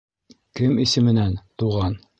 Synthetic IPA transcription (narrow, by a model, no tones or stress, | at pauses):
kɘmisɘ̆mɘ̆nænt̪uʁɑn